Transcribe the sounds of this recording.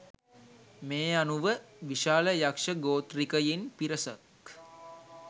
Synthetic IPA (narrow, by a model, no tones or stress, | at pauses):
meːanuʋəʋiʃaːləjakʂəɡoːt̪rikəjinpiɾəsək